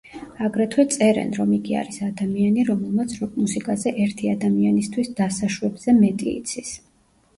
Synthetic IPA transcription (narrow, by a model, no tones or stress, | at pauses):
aɡɾɛt̪ʰwɛt̪sʼɛɾɛ̰nɾɔmiɡia̰ɾisad̪amianiɾɔmɛlˠmat̪sʰɔmusikʼazɛʔɛɾt̪ʰiad̪amianist̪ʰwisd̪̥asaʃwɛbz̥ɛmɛt̪ʼḭːt̪sʰis